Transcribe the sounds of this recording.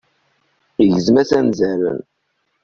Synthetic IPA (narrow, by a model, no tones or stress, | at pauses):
iʝəzmæsænzæɾə̰n